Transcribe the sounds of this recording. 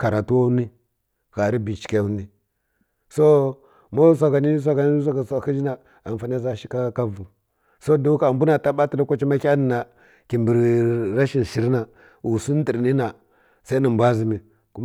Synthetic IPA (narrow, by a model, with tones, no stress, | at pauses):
ka˨ɾa˨tu˦wo˦ni˦ | ɣa˨ɾi˦bi˨t͡ʃi̥˨ka˨u˦ni˦ | so˦ | mo˦s̬ʷa˨ɡa˨ni˦s̬a˦ɡa˨ni˦s̬a˦ɡsa˨ki˦d͡ʒi˦na˨ | a˨n˨fa˨n˦a˦za˦˨ʃi̥˦ka˦ka˦vu˨ | so˦do˦ka˨mbu˦na˨ta˦ɓa˦ti˨la˦kʷa˦t͡ʃi˦ma˦kʲa˦ni˨na˨ | ki˨mbi˨ɾɾa˦ʃi˨n˨ʃi˨ɾna˨ | u˨su˦n˦di˨ɾni˦na˨ | sa˦i˦ni˨m˨bʷa˦zi˨mi˨ | ku˦